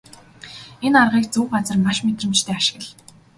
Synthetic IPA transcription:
enarʁiːkt͡suːɢat͡sə̆rmaʃmet̪rə̆mt͡ɕt̪ʰeːaʃɪ̥̆ɣə̆ɮ

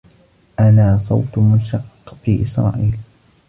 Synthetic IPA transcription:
ʔanaːsˤɑwt̪mʊnʃɑqːfiːʔɪsɾˤɑ̰ːʔiːl

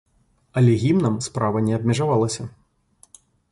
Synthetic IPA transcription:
ɐlʲɛɣʲimnɐmspɾavɐnʲɛɐb̚mʲɛʐavalˠɐsʲɐ

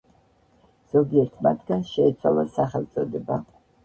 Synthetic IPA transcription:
z̥ɔɡiɛɾt̪ʰma̰t̪ʰɡanʃɛːt̪sʰwa̰lˠasaχɛlˠt̪sʼɔd̪ɛba

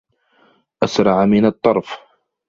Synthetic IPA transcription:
ʔasɾˤɑʕmɪnɑt̪ˤːɑɾˤf

